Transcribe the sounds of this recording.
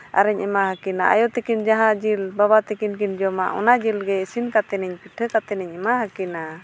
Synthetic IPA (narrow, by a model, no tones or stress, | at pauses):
a̰ɾɛɲʔɛmaɦakina̰ʔa̰jɔt̪ɛkind͡ʒaɦãd͡ʒilbabat̪ɛkinkind͡ʒɔma̰ʔɔ̰nad͡ʒilɡɛsinkat̪ɛnɛɲpiʈʰəkat̪ɛnɛɲɛmaɦakina